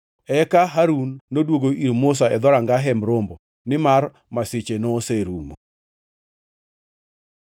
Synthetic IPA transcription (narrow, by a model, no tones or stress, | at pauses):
ɛkaɦaɾunːodwoɡoʔiɾmos̬aɛd̪ɔɾaŋɡaɦɛmɾombo | nɪmar | masɪt͡ʃenoseɾumo